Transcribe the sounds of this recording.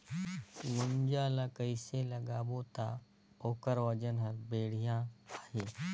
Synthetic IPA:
ɡʊmd͡ʒaːlakəɪselɐɡaːbot̪aː | oːkəɾwɐd͡ʒənɦɐɾbeːɽ̤ijãːaːɦeː

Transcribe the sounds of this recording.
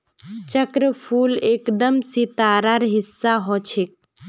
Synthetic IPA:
t͡ʃəkɾəpʰulekd̪əmsit̪aɾaɾɦisːaɦɔt͡ʃʰek̚

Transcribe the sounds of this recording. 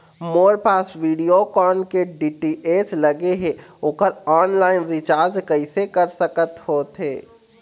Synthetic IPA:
moːɾpaːsʋiːɖijokɔːnkeɖiːʈiʔeːt͡ʃləɡeɦẽːoːkəɾɔːnlaːɪnɾɪt͡ʃaːɾd͡ʒkəɪsekəɾsəkət̪hoːt̪ɦeː

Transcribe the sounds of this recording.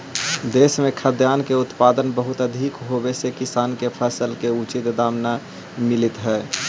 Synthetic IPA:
d̪eːsmẽkʰəd̪jaːnkeʊt̪paːd̪ənbəɦʊt̪əd̪ʱikɦobesekɪsaːnkepʰəsəlkeut͡ʃɪt̪d̪aːmna | mɪlit̪ɦɛː

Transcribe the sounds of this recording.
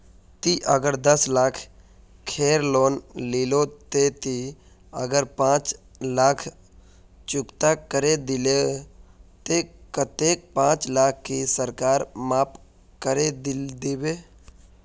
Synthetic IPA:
t̪iʔəɡəɾd̪əslaːkʰ | kʰeːɾloːnliːlot̪et̪i | ə̰ɡəɾpãːt͡ʃ | laːkʰ | t͡ʃʊkt̪akəɾed̪ɪle | t̪ekət̪eːk̚pãːt͡ʃlaːk̚ʰkisəɾkaːɾmaːp | kəɾed̪d̪ɪbeː

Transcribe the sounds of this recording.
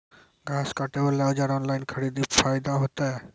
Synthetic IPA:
ɡʱaskaʈebəlaɔd͡ʒaɾɔnlajnkʰəɽid̪ipʰajd̪aɦot̪aɛ

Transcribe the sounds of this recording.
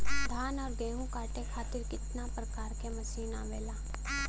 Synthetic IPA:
d̪ʱaːnɔːɾɡeːɦũkaːʈekʰaːt̪ɪɾkɪt̪napɾɐkaːɾkemɐsiːnaʋeːlaː

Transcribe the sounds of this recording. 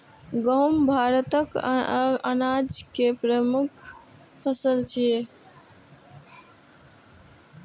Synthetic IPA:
ɡəwmbʱaɾət̪ək | anad͡ʒkepɾəmukʰ | pʰəsəlt͡ʃʰi

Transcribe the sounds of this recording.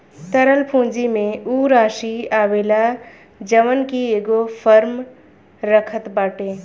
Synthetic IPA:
t̪əɾəlpʰũːd͡ʒimẽuːɾaːʃiaːʋeːla | d͡ʒəʋənkieːɡopʰəɾm | ɾəkʰət̪baːʈeː

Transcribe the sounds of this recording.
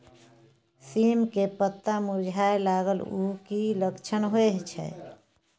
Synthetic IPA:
simkepət̪ːamud͡ʒʱaelaɡəlukiləkt͡ʃʰənɦoeɦt͡ʃʰɛ̰

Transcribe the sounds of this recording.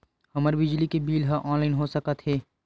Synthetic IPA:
hɐməɾbɪd͡ʒlikebiːlɦaʔɔ̃ːnlaːɪnɦosəkat̪ɦeː

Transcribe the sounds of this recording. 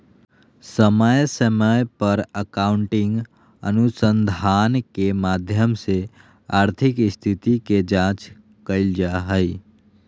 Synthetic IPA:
səməjsəməjpəɾəkaːʊ̃ɳʈɪ̃ŋɡ | ə̰nusə̃nd̪ʱaːnkemaːd̪ʱjəmse | aːɾt̪ʰɪkst̪ʰɪt̪itked͡ʒãːt͡ʃ | kəɪld͡ʒaɦəi

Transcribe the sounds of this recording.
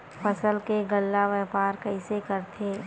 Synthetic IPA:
pəsəlkeɡəlːaʋɛːpaːɾkəɪsekəɾt̪ʰeː

